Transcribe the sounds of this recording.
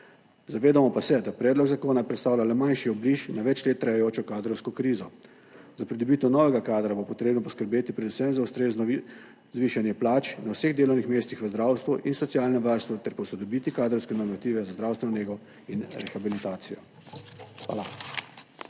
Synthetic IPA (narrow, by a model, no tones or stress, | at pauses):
zaʋeːd̪amɔpasɛd̪apɾɛːd̪lɔɡzakoːnapɾɛt̪st̪aːwlʲjalɛmanʃiɔbliʃnaʋɛt͡ʃleːt̪ːɾajajoːt͡ʃɔkaːd̪ɾɔwskɔkɾiːzɔ | zapɾid̪ɔbiːt̪ɛwnɔːʋɛɡakaːd̪ɾabopɔt̪ɾeːbnɔpɔskəɾbeːt̪ipɾɛd̪usɛmzaust̪ɾeːznɔ | zʋiːʃanjɛplaːt͡ʃnawseɣd̪eːlɔwnixmeːst̪ixʋəzd̪ɾaːwst̪ʋuʔinsɔt̪sijaːlnɛʋaɾst̪ʋut̪ɛɾpɔsɔd̪ɔbiːt̪ikaːd̪ɾɔwskɛnɔɾmat̪iːʋɛzazd̪ɾawst̪ʋɛnɔneːɡɔ | inɾɛxabilit̪aːt̪sijɔ | xʋa̰ːla